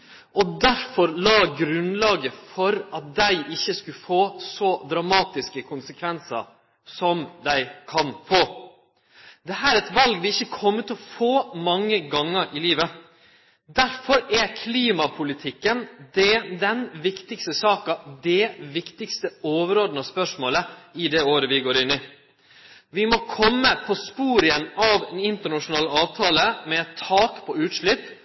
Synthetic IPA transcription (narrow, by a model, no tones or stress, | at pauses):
ɔd̪æɾfɔɾlɑːɡɾʉnlɑːɡəfɔɾɑt̪̚d̪æɪʔɪçːəskʉfoːsɔd̪ɾɑmɑːt̪ɪskəkʰʊnsəkʰʋɛnsə̰ɾ | sɔmd̪æɪkʰɑnfoː | d̪ɛɦæːɾɛt̪ʋɑlɡd̪ɛɪçːəkʰɔmːət̪ɔfoːmɑŋːəɡɑŋːəɾʔɪliːʋə | d̪æɾfɔɾɛkʰliːmɑpʰʊlɪt̪ʰɪkːənd̪ɛd̪ɛnʋɪkt̪ɪkst̪əsɑːkɑd̪ɛʋɪkt̪ɪkst̪əoːʋəɾoːd̪n̩ɔspœʂmoːləɪd̪ɛoːɾəʋɪɡoːɾɪnːɪ | ʋɪmɔkʰɔmːəpʰɔspuːɾɪɛnːɑʋɛnɪnt̪əɳɑʂʊnɑːlɑːʋt̪ʰɑːləmɛt̪ʰːɑːkpʰɔʉːt̪ʂɭʏpː